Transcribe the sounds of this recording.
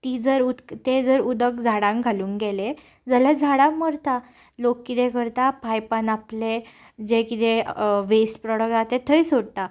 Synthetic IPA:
t̪id͡zəɾut̪ed͡zəɾud̪əkd͡zʱaɽãŋɡʱaluːŋɡɛle | d͡zəlɛd͡zʱaɽaməɾt̪a | lokːit̪ẽkəɾt̪apajpanaple | d͡ʑekit̪eʋesʈpɾɔɽək̚tat̪ẽt̪ʰəjsoɽt̪a

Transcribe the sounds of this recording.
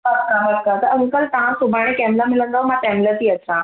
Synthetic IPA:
ɐkaɦɐɾkat̪ɐɐ̃ŋkəlt̪ɐʋ̤ãsʊbʱaːɽ̃ẽkɛːmlamɪlə̃nd̪amãʈɛːmlət̪iɐt͡ɕʰɾã

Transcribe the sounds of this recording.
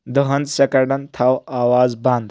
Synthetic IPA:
d̪əɦɐnd̪sekɐɾɖɐnt̪ʰawaːwaːzbãnd̪

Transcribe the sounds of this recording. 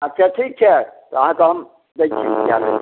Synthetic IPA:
ətːt͡ʃʰaʈʰik̚t͡ʃʰɛt̪ɔəɦãkeɦəm | d̪ejt͡ʃʰikja̰lḛ

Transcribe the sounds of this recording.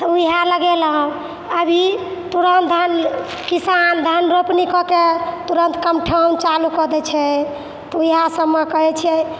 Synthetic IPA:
t̪uɦaləɡɛlɦə̃ | əbʱit̪uɾənt̪̚d̪ʱən | kisand̪ʱənɾopnikɔket̪uɾənt̪kəmʈʰant͡ʃalukɔd̪ɛt͡ʃʰɛ | t̪uiɦasəbmekəɦɛt͡ʃʰɛ

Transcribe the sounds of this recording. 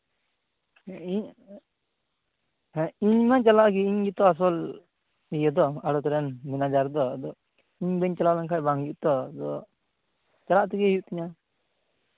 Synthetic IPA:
iɲ | ɦɛiɲmat͡ʃalaʔk̬iiɲd͡ʒit̪ɔas̬ɔl | ijɔd̪ɔaɽɔt̪ɔɾɛnminad͡ʒaɾd̪ɔd̪ɔ | iɲbɛɲt͡ʃalawlankʰajbaŋjuʔt̪ɔd̪ɔ | t͡ʃalaʔt̪ɔɡɛjuʔt̪iɲa

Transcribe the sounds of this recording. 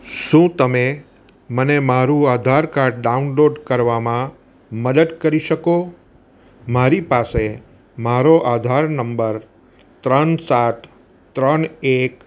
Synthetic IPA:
ʃũt̪əme | mənemaɾũad̪ʱaɾkaɾɖɖaunloɖkəɾʋamã | məd̪əd̪kəɾiʃəko | maɾipase | maɾoʔad̪ʱaɾnəmbəɾ | t̪ɾənsat̪ | t̪ːɾənek

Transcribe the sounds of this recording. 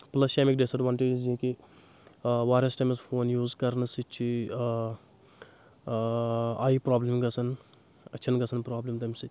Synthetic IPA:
plɐsʃeːmikɖesɐʈʋɐnʈeːd͡ʒizĩki | ʋaːɾɐsʈɐmispʰoːnjuːzkɐɾnɨsit͡ʃʰi | aːipɾaːblimɡɐsɐn | ɐt͡ʃʰɐnɡɐsʰɐnpɾaːblimt̪ɐmʲsɨ

